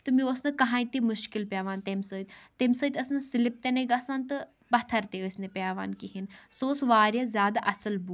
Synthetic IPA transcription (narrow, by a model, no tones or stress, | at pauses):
t̪ɨmĩosnɐkɐɦãːt̪imʊʃkilpʲjaːʋaːnt̪emsəːt̪ʲt̪emʲsəːt̪ʲɐsnɨsɪlip̚t̪enɐiɡasaːnt̪ɨ | bɐt̪ʰɐɾt̪eəːsʲnepʲjaːʋa̰ːnkiɦinsoːsʋaːɾjazʲjaːd̪aʔɐsɐlbu